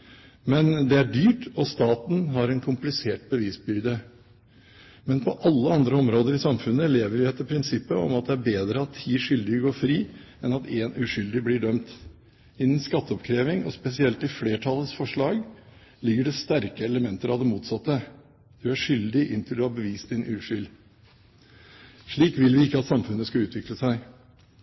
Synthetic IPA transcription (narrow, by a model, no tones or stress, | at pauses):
mɛnd̪ɛæɖyːʈɔst̪ɑːt̪n̩ɦɑɾɛnkʰʊmplɪseːʈ̚bəʋiːsbʏɾd̪ə | mɛnpʰɔʔɑlːəɑnd̪ɾəɔmɾoːd̪əɾɪsɑmfʉnːəleːʋəɾʋɪɛt̪ːəpʰɾɪnsɪpːəɔ̰mɑt̪̚d̪ɛæɾbeːd̪ɾəɑt̪ʰːiːʂʏld̪ɪəɡoːɾfɾiː | ɛnɑt̪eːnʉʂʏld̪ɪbliːɖœmt̪ | ɪnːn̩skɑt̪ːəɔpkʰɾeːʋɪŋɔ̰spɛsɪɛlt̪ɪlfleːʈʰɑlːəsfɔʂɭɑːɡ | lɪɡːəɖɛst̪æɾkəɛləmɛnt̪əɾɑʋd̪ɛmuːt̪sɑt̪ːə | d̪̥ʉæʂʏld̪ɪʔɪnt̪ʰɪld̪ɔhɑɾbəʋiːst̪ɪnʔʉːʂʏl | ʂɭiːkʋɪlʋɪɪkːəɑt̪sɑmfʉnːəskɑʉːt̪ʰʋɪkləsæɪ